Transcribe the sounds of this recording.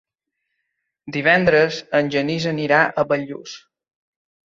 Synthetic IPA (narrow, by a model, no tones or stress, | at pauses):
d̪iβ̞ɛnd̪ɾəzənʲʒənizəniɾaʔəβəʎṵs